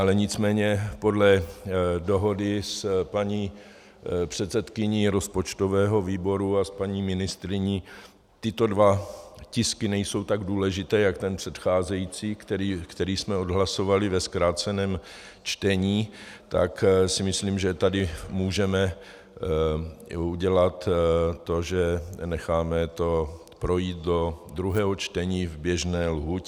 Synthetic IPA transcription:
ʔalɛɲɪt͡smɛːɲɛpo̞dlɛ | do̞ɦo̞dɪspaɲiː | pr̝̥ɛt̪t͡sɛt̪kɪɲiːɾo̞spo̞t͡ʃt̪ovɛːɦo̞viːbo̞ɾuaspaɲiːmɪnɪst̪ɾɪɲiː | t̪ɪt̪o̞dvacɪskɪnɛjso̞wt̪aɡduːlɛʒɪt̪ɛːjakt̪ɛnpr̥ɛt̪xaːzɛjiːt͡siːkt̪ɛɾiːkt̪ɛɾiːsmɛodɦlaso̞valɪvɛskɾaːt͡sɛnɛːm | t͡ʃt̪ɛɲiːt̪a̰ksɪmɪsliːmʒɛt̪adɪmuːʒɛmɛ | uɟɛlat̪t̪o̞ʒɛnɛxaːmɛt̪o̞ | pɾo̞jiːt̪̚do̞d̪ɾuɦɛːɦot͡ʃt̪ɛɲiːvbjɛʒnɛːlɦucɛ

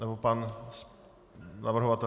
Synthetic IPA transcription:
nɛbopans | navr̩ɦovat̪ɛ

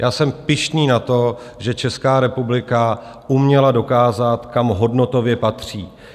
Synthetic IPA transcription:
jʔaːsɛmpɪʃniːnat̪o̞ | ʒɛt͡ʃɛskaːɾɛpublɪka | ʔumɲɛlado̞kaːzat̪kamɦo̞dno̞t̪o̞vjɛpat̪r̝̥iː

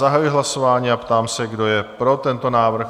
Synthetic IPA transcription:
aɦajɪɦlaso̞vaːɲiːapt̪aːmsɛɡdo̞jɛpɾo̞t̪ɛnt̪o̞naːvr̩x

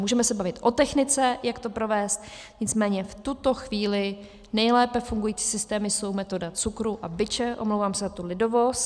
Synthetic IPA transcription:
muːʒɛmɛsɛbavɪt̪ʔo̞t̪ɛxnɪt͡sɛjakt̪o̞pɾovɛːst̪ | ɲɪt͡smɛːɲɛft̪ut̪o̞xviːlɪ | nɛjlɛːpɛfuŋɡujiːt͡si̥ːsɪst̪ɛːmɪso̞wmɛt̪o̞dat͡sukɾuʔabɪt͡ʃɛʔo̞̰mlowvaːmsɛzat̪ulɪdo̞vos

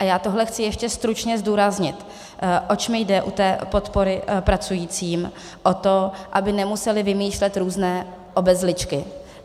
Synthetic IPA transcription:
ʔajaːt̪o̞ɦlɛxt͡sɪjɛʃcɛst̪ɾut͡ʃɲɛzduːɾazɲɪt̪ | ʔo̞t͡ʃmɪjdɛʔut̪ɛːpo̞t̪po̞ɾɪpɾat͡sujiːt͡siːm | ʔo̞t̪o̞ʔabɪnɛmusɛlɪvɪmiːʃlɛt̪ɾuːznɛː | ʔo̞bɛzlɪt͡ʃkɪ

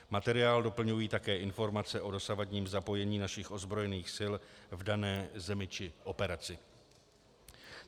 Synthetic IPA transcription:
mat̪ɛɾɪaːldo̞pl̩ɲujiːt̪akɛːʔɪnfo̞ɾmat͡sɛʔo̞do̞savadɲiːmzapo̞jɛɲiːnaʃɪxʔo̞zbɾojɛniːxsɪlvdanɛːzɛmɪt͡ʃɪʔo̞pɛɾat͡sɪ

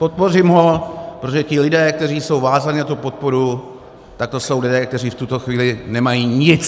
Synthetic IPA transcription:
po̞t̪̚po̞rɪmɦo̞pɾot̪oʒɛcɪlɪdɛːk̚t̪ɛriːso̞wvaːzaɲɪnat̪upo̞t̪̚po̞ɾu | t̪ak̚t̪o̞so̞wlɪdɛːk̚t̪ɛriːft̪ut̪o̞xviːlɪnɛmajiːɲɪt͡s

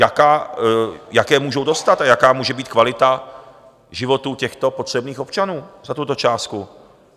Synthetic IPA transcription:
jakaː | jakɛːmuːʒowdo̞st̪at̪ajakaːmuːʒɛbiːt̪kvalɪt̪a | ʒɪvo̞t̪uːcɛxt̪o̞pot̪r̥ɛbniːxo̞pt͡ʃanuːzat̪ut̪o̞t͡ʃaːst̪ku

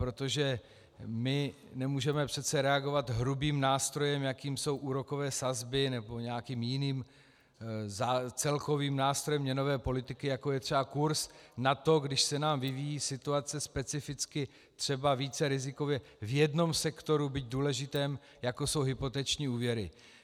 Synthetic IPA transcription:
pɾo̞t̪oʒɛ | mɪ | nɛmuːʒɛmɛpr̥ɛt̪st͡sɛɾɛaɡo̞vat̪ɦɾubiːmnaːst̪ɾo̞jɛmjakiːmso̞wʔuːɾo̞ko̞vɛːsazbɪnɛbo̞ɲɛakiːmjɪniːm | zat͡sɛlko̞viːmnaːst̪ɾojɛmɲɛno̞vɛːpo̞lɪt̪ɪkɪjakojɛt̪r̝̥ɛbakuɾsnat̪o̞ɡdɪʃsɛnaːmvɪvijiːsɪt̪uat͡sɛspɛt͡sɪfɪt͡skɪ | t̪r̝̥ɛbaviːt͡sɛɾɪzɪko̞vjɛ | vjɛdno̞msɛkt̪o̞ɾubiɟ̚duːlɛʒɪt̪ɛːm | jako̞so̞wɦɪpo̞t̪ɛt͡ʃɲiːuːvjɛɾɪ̰

